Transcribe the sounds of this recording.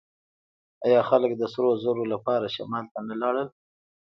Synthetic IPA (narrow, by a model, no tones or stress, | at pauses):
ɑjɑxaləkd̪əsɾozəɾolapɑɾaʃa̰mɑlt̪analɑɽəl